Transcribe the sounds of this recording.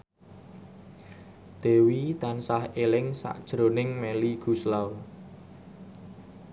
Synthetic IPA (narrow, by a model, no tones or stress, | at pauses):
d̪̥e̤wit̪ansahelɪŋsa̰ʔd̥ʒ̥ɾonɪŋmeliɡ̥ṳslaw